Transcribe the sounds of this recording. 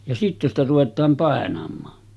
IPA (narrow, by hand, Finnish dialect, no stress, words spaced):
jɑ sitːe stæ ruʋetˑɑːm pɑˑenɑmˑɑː